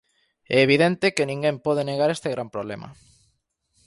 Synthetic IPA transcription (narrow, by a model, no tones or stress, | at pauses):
ɛːβ̞iðent̪ekenĩŋɡempɔð̞eneɣ̞aɾest̪eɣɾampɾoβlḛmɐ̰